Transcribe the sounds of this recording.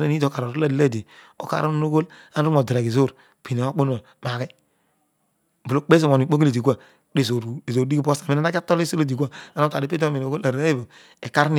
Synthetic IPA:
na˦˨ni˦do˨˦ka˨ɾo˨ɾo˦la˦di˨la˦˨de˨ | o̰˨ka̰˨ɾo˦no˦ɡo˦l | a˦n˦mo˨di˨ɾa˨ɡi˨zo˦˨ɾ | pi˨ne˨o˦k͡po˦n˦a˨ | m˨a˨ɡe˦˨ | bu˨lo˦k͡pe˦zo˨mo˨i˨k͡po˦ɡle˨di˨ku˦a˦˨˦ | i˦˨zo˨ɾzo˨ɾi˦ɡi˦po˦sa˨me˦na˦na˦ka˦to˦li˦so˦lo˦di˨ku˦a˦˨a˦no˦ta˨i˦pe˦o˦me˨no˨ɡo˦la˨ɾa˦je˦bo˨ | e˨ka˦ɾn˦˨

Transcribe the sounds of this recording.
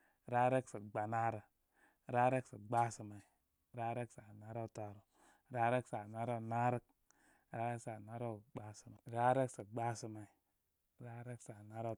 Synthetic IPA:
ɾa˦ɾe˦ksə˨ɡ͡ba˨na˦ɾa˨ | ɾa˦ɾe˦ksa˨ɡ͡ba˦su˨ma˨i˨ | ɾa˦ɾe˦ksa˨na˦ɾa˦˨ta˨ɾo˨ | ɾa˦ɾe˦ksa˨na˦ɾa˦˨na˦ɾa˦k̚ | ɾa˦ɾe˦ksa˨na˦ɾo˦˨ɡ͡ba˦su˨ma˨ɾa˦ɾe˦ksa˨ɡ͡ba˦su˨ma˨i˨ | ɾa˦ɾe˦ksa˨na˦ɾa˦

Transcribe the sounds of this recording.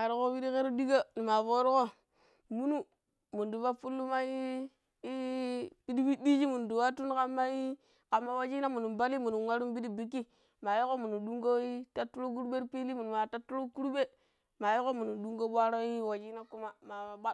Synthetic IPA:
a˨ɾi˦ko˦wi˦ɾi˦ke˦ɾu˦di˦ɡa˦ni˨ma˨fo˦ɾi˦ko˦ | mu˦nu˦ | mu˨ndu˨va˦fu˦lːu˦ma˦i˦ | pi˦di˦bi˦di˦d͡ʒi˦mu˨ndu˨wa˦tu˦nka˦mːa˦ji˦ | ka˨mːa˦wa˦d͡ʒi˦na˦mu˨nu˨mba˦li˦mu˨nu˨wa˦ɾu˦m˦bi˦di˦bi˦kːi˦ | ma˨ji˦ko˦mu˨nu˨du˦ŋɡo˦i˦ta˦tːu˦ɾo˦k̬u˦ɾɓe˦ɾpi˦li˦mu˨nu˨ma˨ta˦tːu˦ɾo˦ku˦ɾu˦be˦ | ma˨ji˦ko˦mu˨nu˨du˦ŋɡo˦ɓa˦ɾo˦ji˦wa˨d͡ʒi˦na˦ku˦ma˦ma˨a˨ɓa˦

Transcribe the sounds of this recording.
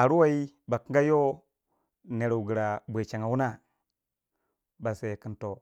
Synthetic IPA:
a˨ɾu˦wa˦i˦ | ba˨ki˦ŋ˦ɡa˦jo˦ | ne˨ɾa˨wu˨ɡə˨ɾa˨bʷe˨t͡ʃa˨ŋa˨wu˦na˦ | ba˨se˨ki˨nto˨

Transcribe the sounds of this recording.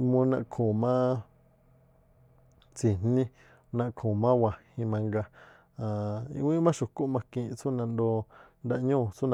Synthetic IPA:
mũ˧nã˧kʰũ˨mã˦ | t͡si˨n̥nĩ˦ | nã˧kʰõ˨mã˦wã˨hĩ˧mã˧ŋɡa˧ | ã˨ḭ̃˧wĩ˦mã˦ʃu˨ku˦mã˧kĩ˧t͡su˦nã˧nd̪o˧nd̪a˧ʔɲũː˦˨t͡su˦nã˧

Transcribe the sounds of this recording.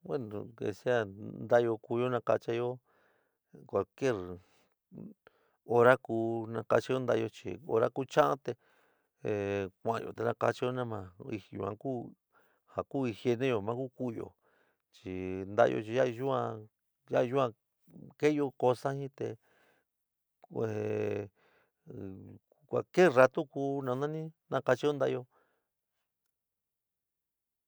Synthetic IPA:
we˦nũ˨ḛ˧si˦a˧˨nd̪a˦˧o˧ku˧jo˦nã˧ka̰˧t͡ʃa˧jo˦ | kʷa˨ke˦˨ɾ | o˧ɾa˦kuː˧nã˧ka˧t͡ʃi˧jo˦nd̪a˧o˧t͡ʃḭ˧o̰˧ɾa̰˦ku˦t͡ʃã˦ʔã̰˦t̪e˧˨ | kʷã˨ã̰˨˧jo̰˨t̪e˧nã˧ka˧t͡ʃi˧jo˦nã˦mã˧i˧jṵ˧ã̰˧ku˦ | ha˨ku˦˨ĩ˧hje˧nẽ˦jo˧mã˦ku˦ku˦˧jo̰˨ | t͡ʃi˧˨nd̪a̰˦˧jo̰˧t͡ʃi˧˦a˦i˧ʒu˦ã˧ | ja˦i˧u˦ã˧ | ke˦jo˧ko˧sa˦hĩ˦t̪ḛ˧ | e˨˧ | kʷa̰˨ke˦˨ra˧t̪u˦ku˧˦nã˧nã˦nĩ˦nã˧˦ka˧t͡ʃi˧˦o˦nd̪a˦˧o˧

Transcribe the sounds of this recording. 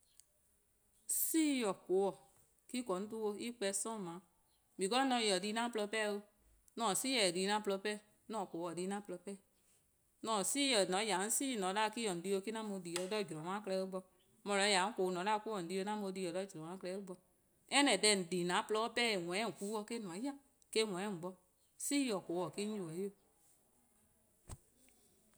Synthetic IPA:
siː˦jɔ˨ko˨˦wɔ˨ | ki˦kɔ˨˦n̩˦tu˦o˧i˦k͡pɛ˧sɔ̃˦˨mã˨˦ | bĩ˨kɔ˦lɔ̃˦nɔ̃˨˧˨jɔ˨di˧˦nã˦plɔ˧pɛ˦˨˧wo˧ | nɔ̃˦˨si˦jɛ˨di˧˦nã˦plɔ˧˦pɛ˦˨ | nɔ̃˦˨ko˨˦ɔ˨diː˧˦nã˦plɔ˧pɛ˦˨ | nɔ̃˨˦˨siː˦jɔ˨nɔ̃˨˦ja˨n̩˦siː˦˨nɔ̃˨˦da˦˧ki˦ɔ˨di˦˧˦o˧ki˦nã˦mo˧˦di˨˦ɔ˨dɔ˦˨d͡ʒɔ̃˨mã˦klɛ˦o˦ɡ͡bɔ˧ | mɔ̃˧lɔ˨˦ja˨˦ŋ̩˦ko˨˦nɔ̃˨˦da˦˧˦ko˦ɔ˨n̩˨di˧˦o˧˦nã˦mo˧˦di˧jɔ˨dɔ˦˨d͡ʒɔ̃˨ã˨˦klɛ˧˦o˦ɡ͡bɔ˧ | ɛ˦nɛ̃˨dɛ˧˨n̩˨di˨nã˨˦plɔ˧˦pɛ˦˨wʷɛ̃˨˦˨ku˨˦ɔ˧˦ke˦n˨ɔ̃˨˦a˦ | ke˦˨wʷɛ̃˨˦˨ɡ͡bɔ˧ | si˦ɔ˨ko˨wɔ˨ki˦u˨wɔ˨˦o˦˨

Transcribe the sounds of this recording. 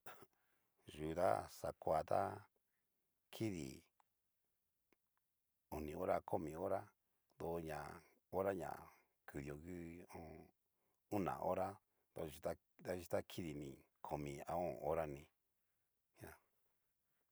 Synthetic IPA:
ʒu˨ða̰˦sa˨kʷa˨˧˨t̪a˦ | kʰi˦ðḭ˨ | o˨nĩ˨o˦ɾa˦kʰo˦mĩ˧˨o˦ɾa˦ | d̪o˧ɲã̰˨ | o˦ɾa˦ɲã̰˨ | kʰɨ˨ðjo˨ɣɨ˦õ˦ | u˦nã̰˨ʔo̰˦ɾa˦ | d̪o˧˨ʒi˧t̪a˦ | t̪a˦ʒi˧t̪a˦kʰi˦ði˨nĩ˧˨ | kʰo˨mĩ˧a˨õ˦˨o˦ɾa˦nĩ˧ | ɲ˦ã˧

